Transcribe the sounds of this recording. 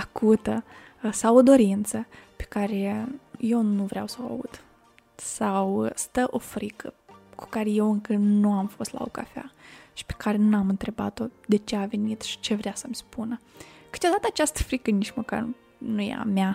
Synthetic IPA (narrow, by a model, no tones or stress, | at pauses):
akʰut̪ə | sawo̞d̪o̞ɾint̪səpe̥kaɾeje̞wnuvɾea̰wsəoa̰ṵd̪̥ | sawst̪əʔo̞fɾikʰə̰ku̥kaɾe̞je̞wɨŋkənuamfo̞st̪la̰oka̰fa̰ʃi̥pe̥kaɾe̞namɨnt̪ɾe̞ba̰t̪o̞d̪e̞t͡ʃe̞ave̞nit̪ʃi̥t͡ʃe̞vɾeasəmʲspunəkɨ̥t̪eo̞d̪at̪əat͡ʃast̪ə̥fɾikənit͡ʃməka̰r | nujḛa̰mʲa